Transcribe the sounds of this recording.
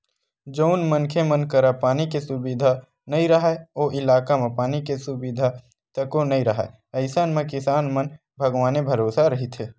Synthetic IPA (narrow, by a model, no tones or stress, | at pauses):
d͡ʒoʊnmənkʰemənkɐɾapaːnikesʊbiːd̪ʱa | nɐĩɾɐɦaoːʔɪlaːkamẽpaːnikesʊbid̪ʱa | t̪ɐkonɐɦĩɾɐɦa̰ | ɐɪsənmẽkɪsaːnmən | bʱɐɡʋaːnebʱɐɾoːsaɾɐɦit̪ʰeː